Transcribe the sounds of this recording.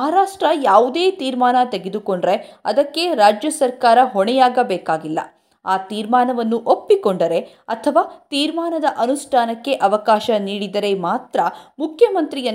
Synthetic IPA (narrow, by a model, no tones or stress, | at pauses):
maːɾaːʂʈɾɐjaːʋud̪eːt̪iːɾmaːnɐt̪eɡe̞d̪uko̞ɳɖɾeɐd̪ɐkːe̞ɾaːd͡ʒjɐsɐɾkaːɾɐɦɔɳɛjaːɡɐbɛːkaːɡilːɐ̰ | aːt̪iːɾmaːnɐʋɐnːuʔopːikoɳɖɐɾe̞ | ɐt̪ʰɐʋaːt̪iːɾmaːnɐd̪ɐʔɐnuʂʈʰaːnɐkːe̞ʔɐʋɐkaːʃɐniːɽid̪ɐɾe̞maːt̪ɾɐmukʰjɐmɐnt̪ɾijɐ